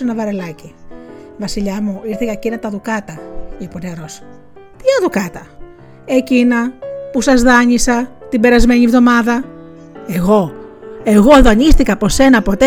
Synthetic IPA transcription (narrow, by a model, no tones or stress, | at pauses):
enɐvɐɾe̞lɐcivɐsiʎɐmuiɾθeɣɐcinɐt̪ɐðukɐt̪ɐiponeɾo̞s | t̪iɐðukɐt̪ɐ | ecinɐpusɐzðɐɲisɐt̪imbe̞ɾɐzme̞ɲivðo̞mɐðɐ | e̞ɣo̞e̞ɣo̞ðoɐɲist̪ikɐːpo̞se̞nɐːpo̞t̪e